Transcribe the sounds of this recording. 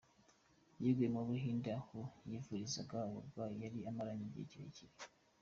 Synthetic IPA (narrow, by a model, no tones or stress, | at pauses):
jiɡwimoβuɦiːndahujifuɾizaɡawoɡwajaɾiamaɾaɲiɟḛciɾeciɾe